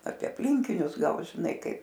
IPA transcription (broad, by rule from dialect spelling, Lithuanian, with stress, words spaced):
ɐpʲiɛ ɐpʲˈlʲɪŋʲkʲɪnʲʊs ˈɡɐlˠ ʒʲɪˈnɐɪ ˈkɐɪp